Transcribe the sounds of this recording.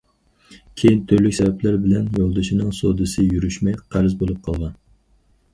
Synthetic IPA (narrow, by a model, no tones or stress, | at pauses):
kʲʰejint̪ʰøɾlykʲsɛvɛplæɾbɪlɛnjolˠd̪ɨʃinɨŋsod̪ɨsɨjyɾyʃmɛjqʰæɾzbolˠup̚qʰɑlˠʁɑn